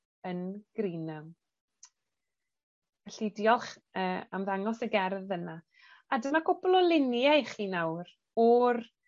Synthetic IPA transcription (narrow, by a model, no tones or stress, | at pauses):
ənɡ̥riːnam | aɬɪdjɔlˠχ | əːamðaŋɔsəɡɛrðəna | adəmakʰʊblˠɔlɪnjajχiːnawr | ɔr